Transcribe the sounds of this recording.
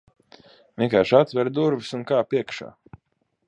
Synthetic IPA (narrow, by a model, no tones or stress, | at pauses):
vʲiɛŋkaːɾʃat̪vʲɛɾd̪uɾvisunkaːpiɛkʃa̰ː